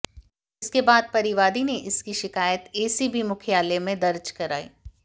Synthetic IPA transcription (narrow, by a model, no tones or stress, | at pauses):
ɪskebaːd̪̚pɐɾɪʋaːd̪ineʔɪskiʃɪkaːjət̪eːsibʱimʊkʰjaːlemẽd̪ɐɾd͡ʒkɐɾaːḭː